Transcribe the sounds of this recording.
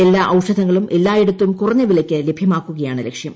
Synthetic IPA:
elːaːʔɐwʂɐd̪ʱɐŋːɐɭumʔelːaːjeɽut̪ːumkurɐɲːɐʋilɐkʲːɨle̞bʱjɐmaːkːuɣɐjaːɳɨlekʂjɐm

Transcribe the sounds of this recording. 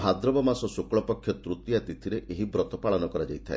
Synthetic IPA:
bʱad̪ɾɔbɔmasɔsukɭɔpɔkʰjɔt̪ɾut̪iat̪it̪ʰiɾeʔʔeɦibɾɔt̪ɔpaɭɔnɔkɔɾad͡ʒajt̪ʰae

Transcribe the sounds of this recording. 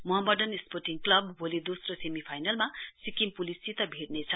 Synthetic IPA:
moɦʌmʌɖʌnisporʈiŋklʌbːolid̪osrosemipʰajnalmasikimpulisit̪ʌbʱiɽnet͡sʰʌ

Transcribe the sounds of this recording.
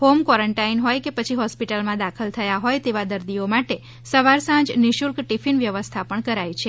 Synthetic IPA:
homkʋɔɾəɳʈainɦɔjkepət͡ʃʰiɦɔspiʈəlmãd̪akʰəlt̪ʰəjaɦojt̪eʋad̪əɾd̪iomaʈe | səʋaɾsãd͡ʒniʃuɾkʈifinʋjəʋəst̪ʰapəɳkəɾajt͡ʃʰe

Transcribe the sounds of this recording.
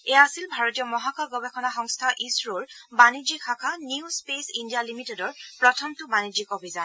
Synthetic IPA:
ɛjaasilbʱaɹɔtijɔmɔɦakɔɡɔbekʰɔnaxɔŋstʰaʔisɹoɹbanid͡ʒikʰakʰaniuspesindijalimitedɔɹpɹɔtʰɔmtʊbanid͡ʒikɔbʱizan

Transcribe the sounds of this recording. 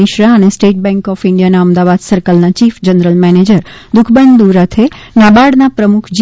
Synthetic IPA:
ɪʃɾaənesʈeʈ̚bɛ̃ŋkɔfɪɳɖijanaəmd̪aʋad̪səɾkəlnat͡ʃifd͡ʒənɾəlmɛned͡ʒəɾd̪ʊkʰbənd̪uɾət̪ʰenabaɽnapɾəmukʰd͡ʒi

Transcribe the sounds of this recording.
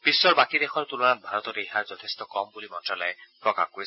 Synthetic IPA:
pisːɔɹbakid̪exɔɹt̪ulɔnat̪̚bʱaɾɔt̪ɔɾejɦaɹd͡ʒɔt̪ʰest̪ɔkɔmbulimɔntɹalaepɹɔka̰xkoɾisʰ

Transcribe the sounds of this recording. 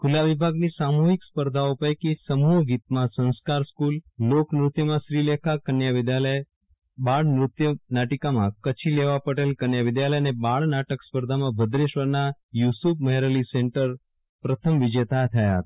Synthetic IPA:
kʰulaʋibʱaɡnisamuɦikspəɾd̪ʱaupəjkisəmuɦɡit̪mãsə̃nskaɾskulːoknɾʊt̪jəmãʃɾilekʰakənjaʋɪd̪jalə | baɭnɾʊt̪jənaʈikamãkət͡ʃʰileʋapəɽelkənjaʋɪd̪jaləjənebaɭnaʈəkspəɾd̪ʱamãbʱəd̪ɾeʃʋəɾnajusupməɦeɾəliseɳʈəɾ | pɾət̪ʰəmʋɪd͡ʒet̪ʰat̪ʰəjaɦt̪

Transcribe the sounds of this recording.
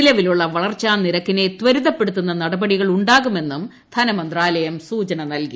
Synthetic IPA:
ilɐʋiluɭːɐʋɐɭɐrt͡ɕːaːmniɾɐkːine̞t̪ʋɐɾiðɐpːe̞ɽut̪ːunːɐnɐɽɐbɐɽiɣɐɭuɳɖaːɣume̞nːum | d̪ʱɐnɐmɐnd̪raːlɐjɐmsuːt͡ɕɐnɐnɐlki

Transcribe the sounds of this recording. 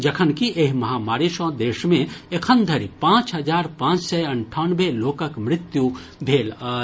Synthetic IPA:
d͡ʒɐkʰənkiʔeɦmɐɦaːmaːɾiʃɔ̃ːd̪eːʃmẽekʰənd̪ʱəɾipãːt͡ʃɦɐd͡ʒaːɾpãːt͡ʃsɛɐɳʈʰanbeloːkəkmɾɪt̪ju | d̪ʱeːl

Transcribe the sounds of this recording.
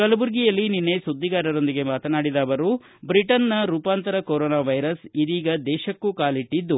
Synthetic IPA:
kɐlɐbuɾɡijɐlːininːe̞sud̪ːiɡaːɾɐɾo̞nd̪iɡe̞maːt̪ɐnaːɽid̪aːʋɐɾuː | bɾiʈɐnːɐɾuːpaːnt̪ɐɾɐkoɾoːnaːʋɐjɾɐsid̪iːɡɐd̪ɛːʃɐkːukaːliʈːid̪ːu

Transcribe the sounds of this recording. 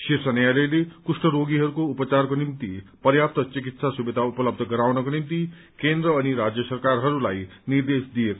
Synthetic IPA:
ʃisʌnjalʌjlekusʈʌɾoɡiɦʌɾukoupʌt͡sarkonimt̪ipʌrjap̚t̪ʌt͡sik̬it̪sasubed̪ʱaupʌlʌb̚d̪ʱʌɡʌɾawnʌkonimt̪i | kend̪ɾʌːniɾad͡zjʌsʌrkarɦʌɾulajnird̪esd̪ijeko

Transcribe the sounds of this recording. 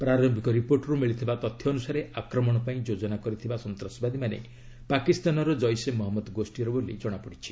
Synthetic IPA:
pɾaɾɔmbʱikɔɾipoɾʈɾumiɭit̪ʰibat̪ɔt̪ʰːjɔːnusaɾeʔakɾɔmɔɽ̃ɔpaĩd͡ʒod͡ʒɔnakɔɾit̪ʰibasɔnt̪ɾɔsbad̪ʱimanḛ | pakist̪anɔɾɔd͡ʒɔjsemɔɦɔmːɔd̪ɔɡosʈiɔɾɔbolid͡ʒɔɽ̃apɔɽit͡ʃʰi̥

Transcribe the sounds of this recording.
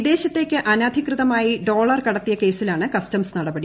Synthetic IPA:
id̪e̞ːɕɐt̪ːe̞ːkʲːɨʔɐnaːd̪ʱikrɨðɐmaːjiɖo̞ːɭɐrkɐɽɐt̪ːijɐke̞ːsilaːɳɨkɐstɐmsnɐɽɐbɐɽi

